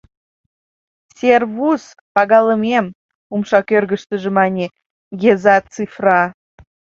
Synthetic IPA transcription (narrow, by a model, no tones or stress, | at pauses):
sʲerβus | pɑɣɑləmem | umʃɑkørɣəʃt̪əʒemɑnʲe | ɡezɑt͡sifrɑ